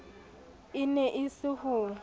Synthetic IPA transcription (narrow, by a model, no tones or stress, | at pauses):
ɪnɛʔɪsɪhʊ